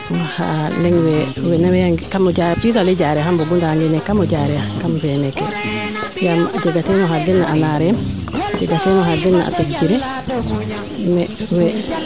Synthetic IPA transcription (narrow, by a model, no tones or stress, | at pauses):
ha̰lɛŋwɛwɛnawɛaɡkamɔɟapisalɛɟaɾɛɦambɔɡundaaŋɡɛnɛkamɔɟaɾɛakamfɛnɛkɛ | ŋɡamd͡ʒɛɡatɛnɔɦadːinːaʔanaɾɛmd͡ʒɛɡatɛnɔɦadinːa̰ʔa̰pet͡ʃiɾɛ | mɛwɛ